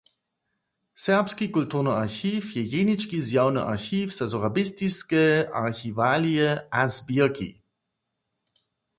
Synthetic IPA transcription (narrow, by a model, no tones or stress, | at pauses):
sɛʁpskikultuʁnəaʁxiːfjɛjenit͡ʃkizjawnəʔa̰ʁxiːfz̥azɔʁabɪst̪iskɛʔaʁxivaːlijɛazbiɐkḭ